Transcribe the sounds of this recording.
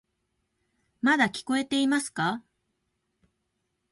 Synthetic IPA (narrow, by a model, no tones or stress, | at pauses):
mad̪akʲi̥ko̞e̞t̪e̞imasɨ̥ka